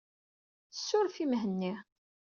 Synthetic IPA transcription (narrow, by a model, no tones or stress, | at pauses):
θəsːʊɾfimɦənːi